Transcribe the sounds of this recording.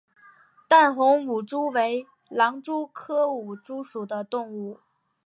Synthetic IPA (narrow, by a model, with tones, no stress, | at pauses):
t̪a˥˩nxʊ˧˥ŋwu˨˩ʈ͡ʂu˥we˧˥ɪ | lɑ˧˥ŋʈ͡ʂu˥kʰɤ˥u˨˩ʈ͡ʂu˥ʂu˨˩d̪ə˦t̪ʊ˥˧ŋu˥˩